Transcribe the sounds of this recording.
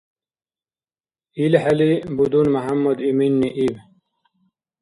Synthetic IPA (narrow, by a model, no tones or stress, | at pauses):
ilhɐlibud̪unmɐɦamːɐd̪iminːiʔiw